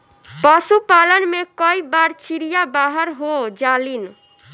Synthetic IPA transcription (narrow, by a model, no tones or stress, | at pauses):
pasupalənmekəibaɾt͡ʃiɾijabaɦəɾɦod͡ʒalin